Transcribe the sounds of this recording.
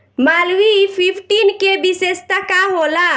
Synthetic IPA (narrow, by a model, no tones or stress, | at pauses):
malwipʰipʰʈinkebisest̪əkaɦola